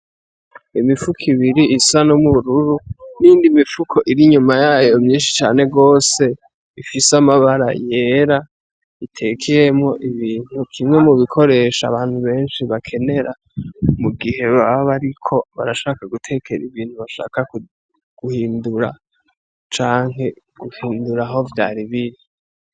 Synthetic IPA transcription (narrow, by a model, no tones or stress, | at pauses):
imifukʰiβiɾiʔisanomuɾuɾuniːndimifukʰo̞ʔiɾiɲumajaːjo̞mɲiːnʃi̥t͡ʃa̰ːne̞ɡo̞ːse̞ | ifisamaβaɾa̰je̞ːɾa | itʰe̞kʰejemŋo̞ʔiβiːn̥hukʰimŋe̞muβikʰo̞ɾe̞ʃa̰βaːn̥huβe̞ːnʃiβakʰe̞ne̞ɾʔa | muɡihe̞βaββaɾikʰo̞βaɾaʃaːkaɡutʰe̞kʰeɾiβiːn̥huβaʃa̰ːkaku | ɡ̥uhiːnduɾa̰ | t͡ʃaːŋe̞ | ɡ̥uhiːnduɾaɦo̞vja̰ːɾiβiɾi